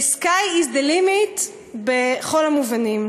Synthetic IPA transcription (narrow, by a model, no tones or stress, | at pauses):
skajizd̪elimit | beχo̞lamuvanim